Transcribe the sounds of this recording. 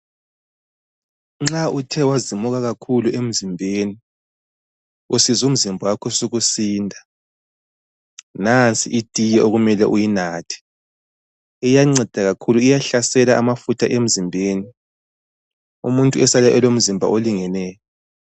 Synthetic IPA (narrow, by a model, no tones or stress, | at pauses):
ŋ͡ǁautʰɛwazimuɣaɣakʰuluem̩zimbʱeːni | usizum̩zimbʱɔwakʰɔsuɣusiːndʱa | nant͡sʼḭʔid̥ʱʼijɛʔoɣumɛlɛʔujinaːtʰi̥ | ijaŋ͡ǀɛd̥ʱaɣakʰuluijaɬasɛlaʔamafutʰaʔem̩zimbʱeːni | umuntʼuɛsalaʔɛlom̩zimbʱa̰ʔoliŋɛnɛːjɔ